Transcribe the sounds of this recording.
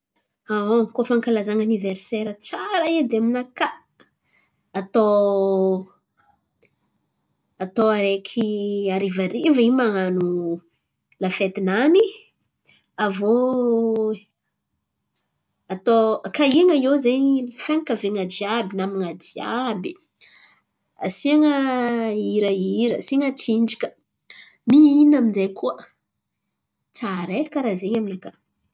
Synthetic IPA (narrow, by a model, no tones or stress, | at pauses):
aokofaŋkalazaŋaniveɾseɾət͡saɾaed̪eaminaka | t̪o | at̪oaɾekʰiaɾivaɾivəimaŋanu | lafet̪inani | avo | at̪okaiŋajozeɲifaŋkaveŋad͡ʒiabinamiŋad͡ʒiabi | asiŋə | iɾəiɾə̰siŋət͡sind͡ʒikə̥ | miinaminzejkuə | t͡saɾekaɾazeɲaminaka